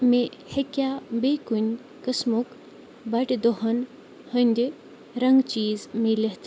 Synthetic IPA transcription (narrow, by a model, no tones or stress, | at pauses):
mẽhɐkjabeːkunʲ | kəsmuk | bɐʈʲd̪oɦɐn | hənʲd̪ʲi | ɾɐŋɡt͡ʃiːzmelet̪